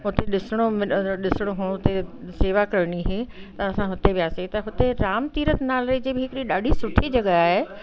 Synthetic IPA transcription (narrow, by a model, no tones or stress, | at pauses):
ɦʊt̪eɗɪsəɽ̃omɪɗɪsəɽ̃oɦoɦʊt̪eseːʋakɐɾɽ̃iɦeːt̪ɐɐsãɦʊt̪eʋjaːset̪ɐɦʊt̪eɾaːmt̪iːɾət̪naːlɾed͡ʑeːbɪɦɪkɪɽiɗaːɖʱisʊʈʰid͡ʑɐɠəaːɦe